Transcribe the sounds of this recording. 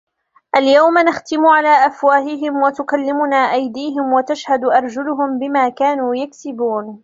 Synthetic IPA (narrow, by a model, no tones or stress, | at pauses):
ʔaljawmanaxt̪ɪmʊʕalaːʔafwaːɦɪɦɪmwat̪ʊkalːɪmʊnaːʔajd̪iːɦɪmwat̪aʃhad̪ʔɑɾˤd͡ʒʊlʊɦʊmbɪmaːkaːnuːjaksɪbuːn